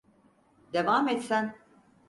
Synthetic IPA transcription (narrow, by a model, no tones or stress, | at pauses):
d̪ɛvaːmɛt̪sæn